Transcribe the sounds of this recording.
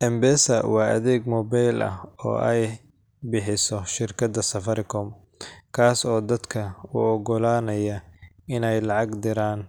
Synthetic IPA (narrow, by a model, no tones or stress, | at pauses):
ʔɛmbɛːsɐ̰wɑːʔɐ̰ðɛːɡmɔːbajlʔɐ̰ɔ̰ːʔɛj | bɪħɪsɔʃɪrkʰɐd̪ɐsɐfɐɾɪkʰɔm | kʰaːsɔːd̪ɐd̪kʰɐʊ̰ɔɡɔlaːnɐjɐɪnɛjlɑʕɑɡd̪ɪɾaːn